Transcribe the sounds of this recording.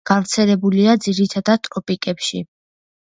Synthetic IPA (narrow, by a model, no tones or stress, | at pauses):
ɡ̥avɾt̪sʰɛlɛbuliad̪ziɾit̪ʰad̪ad̪̚t̪ʼɾɔpʼikʼɛpʃi